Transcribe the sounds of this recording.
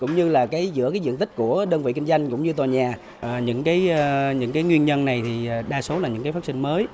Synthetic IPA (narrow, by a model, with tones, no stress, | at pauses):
kʊ̰˧˥ŋ͡mɲɨ˧laː˨˩kaː˨˦jzɨ̰˧˥əkaː˨˦jzɨ̰˧˨ənt̪ï˦˥k̟̚ku˧˩əɗəː˧nvḭ˧˨ki˧ŋ̟zwa˧jŋ̟kʊ̰˧˥ŋ͡mɲɨ˧t̪waː˨˩ɲaː˨˩ | ʔəː˨˩ɲɨ̰˧˥ŋkaː˨˦jɲɨ̰˧˥ŋkaː˨˦jŋwi˧ənɲə˧nna˨˩jt̪ʰi˨˩ʔːɗaː˧so˨˦la˨˩ɲɨ̰˧˥ŋkaː˨˦faː˦˥sï˧ŋməː˨˦j